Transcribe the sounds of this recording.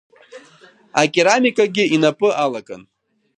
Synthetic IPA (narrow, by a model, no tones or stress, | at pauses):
akʲʼiɾamikʼaɡʲɪinapʼɨʔalakʼa̰n